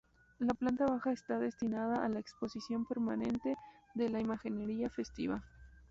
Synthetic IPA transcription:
laplant̪aβaxaest̪aðe̞st̪inað̞aʔːlaekspo̞sisjo̞mpe̞ɾmanẽ̞nt̪e̞ðelaimaxineɾiafe̞st̪ḭβa

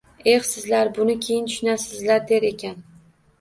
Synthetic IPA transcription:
e̞χsɪzlaɾbʊnɪkʲʰejɪnt̪ʰʊ̥ʃnasɪzlaɾd̪e̞ɾe̞kʲʰan

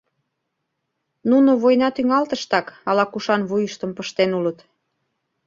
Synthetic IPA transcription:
nunoβojnɑt̪yŋɑlt̪əʃt̪ɑkɑlɑkuʃɑnβujəʃt̪əmpəʃt̪enulət̪

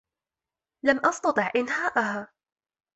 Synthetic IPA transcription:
lamʔɑst̪ɑt̪ˤɨʕʔɪnhaːʔahaː

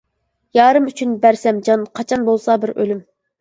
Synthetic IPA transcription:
jɑːɾɨmyt͡ʃʰynbæɾsɛmd͡ʒɑnqʰɑt͡ʃʰɑnbolˠsɑbɪɾø̰lym

